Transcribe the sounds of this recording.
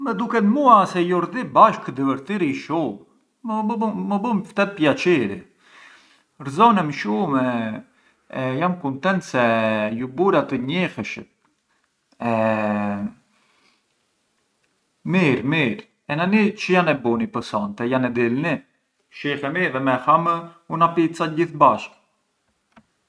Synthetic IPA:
mɛd̪ukɛt̪muasɛjɔɾðibaʃkəd̪ɛvəɾt̪iɾiʃum | məbməbəmft̪ɛt̪̚pjat͡ʃiɾi | ɾzɔnɛmʃumɛ | jamkunt̪ɛnt̪sɛjubuɾat̪əɲixəʃə̰t | ɛ | miɾmiɾ | ɛnanit͡ʃəjanɛbunipəsɔnt̪ɛjanɛd̪ilni | ʃixɛmiðɛmɛhamunapit͡saɟiθbaʃk

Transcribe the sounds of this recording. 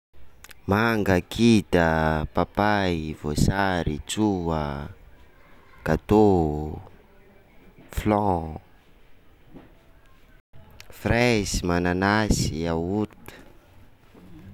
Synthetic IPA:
maŋɡəkʰit̪əpapaivosaɾit͡suə | kat̪o | flɔ̃ | fresimananasiawuɾt̪ə̥

